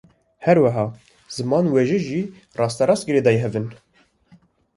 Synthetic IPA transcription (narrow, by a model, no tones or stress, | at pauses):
hɛɾwæɦɑː | z̥ɨmɑːnweʒɨʒiː | rɑːst̪ɑɾɑst̪ɡɨɾeːd̪ɑjeɦɛvɨn